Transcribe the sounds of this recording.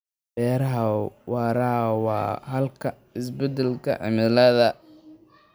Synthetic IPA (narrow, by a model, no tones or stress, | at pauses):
bɛːɾɐɦɐwɑːɾawɑ̰ːɦɐlkʰɐ | ɪs̬bɛd̪ɛlkʰɐ̰ʕɪ̰mɪlɐðɐ